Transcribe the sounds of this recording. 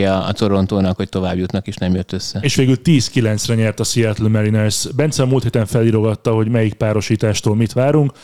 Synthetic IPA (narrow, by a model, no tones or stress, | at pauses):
ɒ̰ːso̞ɾo̞nt̪oːnɒkho̞c̚t̪o̞vaːbjut̪nɒkeːʃnɛmjøt̪ːøsːɛeːʃʋeːɡylt̪iːskilɛnt̪srɛɲɛrt̪ɒsiɛt̪lmɛɾinɛsbɛnt̪sɛmuːlt̪heːt̪ɛɱfɛliːɾo̞ɡɒt̪ːɒɦo̞ɟmɛjik̚paːɾo̞ʃiːt̪aːʃt̪oːlmit̪ʋaːɾuŋk